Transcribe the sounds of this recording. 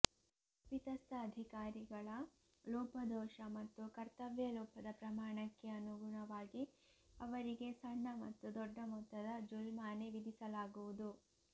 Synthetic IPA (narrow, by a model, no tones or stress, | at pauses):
pit̪ɐst̪ɐːd̪ʱikaːɾiɡɐɭɐ | lɔːpɐd̪ɔːʃɐmɐt̪ːukɐɾt̪ɐʋjɐlɔːpʰɐd̪ɐpɾɐmaːɳɐkːeɐnːuɡuɳɐʋaːɡi | ɐʋɐɾiɡe̞sɐɳːɐmɐ̰t̪ːud̪ɔɖːɐmɔt̪ːɐd̪ɐd͡ʒulmaːneʋid̪isɐlaːɡuʋud̪u